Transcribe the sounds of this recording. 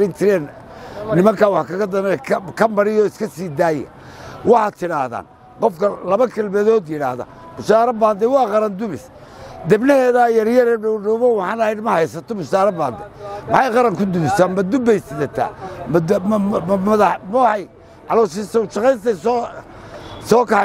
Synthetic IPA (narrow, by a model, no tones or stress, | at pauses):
ɪnt͡ʃ̪ʰɪɾɛːnnɪmɐŋkʰaːwɑħkʰɐɣɐd̪ɐmɛkʰkʰɐmɐɾɪjɔɪskʰɐsiːd̪aːjɐ̰ | wɑħat̪ʰɪɽaːhða̰ːn | qɔfkʰɐlɐβɐkʰɐlmɛðɔːd̪jɪɽa̰ːhðɐ̰ | bʊsaːɾɐbaːnd̪ɛwɑːqɑɾɐnd̪ʊβɪs | d̪ɐbnɪhɛːðajɐɾjɐɾɛɖɔɖɔwβɐwħɑːnɐhɛjnmɐhɛjsɐt̪ʰɔbʊsaːɾɐba̰ːnd̪ɛmɐħɑjqɑɾɐŋkʰʊd̪ʊβɪsamɐd̪ʊbɛjsɪðɐt̪ʰa̰ːm | mɐðɐmɔhɑj | ʔɑlɔsɪsɔwʃɐqɛjsɐs | sɔːkɐ